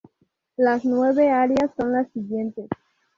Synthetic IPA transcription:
lasnwe̞βeaɾjasːo̞nlasːiɣje̞nt̪es

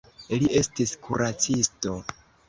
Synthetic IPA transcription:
ilie̞stiskʰuɾat͡sisto̞

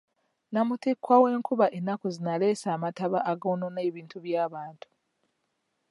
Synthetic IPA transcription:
namutikwawe̞ːŋkuβaʔenakuzinale̞ːsaːmataβaʔaɡoːno̞neːβiːntuβjaːβaːntu̥

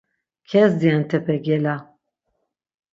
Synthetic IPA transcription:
kʰɛsd̪iant̪ʰɛpɛɡɛla

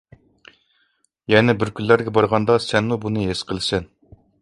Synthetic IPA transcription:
jɛnɛbɪɾkʲʰyllæɾɡʲɛbɑɾʁɑnd̪ɑsɛnmubunɨɦesqʰəlˠɨsɛn

